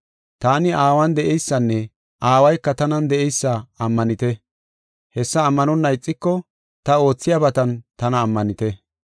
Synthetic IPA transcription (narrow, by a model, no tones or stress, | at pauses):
t̪aːnɪʔaːwɐnd̪ɛʔɛjsːɐnːɛ | ʔaːwɐjkːɐt̪ɐnɐnd̪ɛɛjsːɐɐmːɐnɪt̪ɛ | hɛsːɐːmːɐnɔnːɐjɪt͡sʼːɪkːɔ | t̪ɐo̞ːt͡sːɪjɐbɐt̪ɐnt̪ɐnɐːmːɐnɪt̪ɛ